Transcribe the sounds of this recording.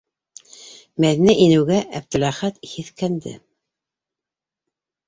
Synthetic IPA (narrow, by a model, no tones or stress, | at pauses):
mæðinæʔinɘ̆wɡæʔæb̚t̪ɵ̆læχæt̪hiθkænd̪ɘ̰